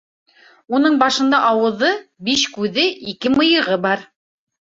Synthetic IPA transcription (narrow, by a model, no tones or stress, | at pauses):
unɤɴbɑʃɤ̆nd̪ɑʔɑwɤ̆ðɤbiʃkʉðɘʔikɘmɤ̆jɤ̆ʁɤbɑɾ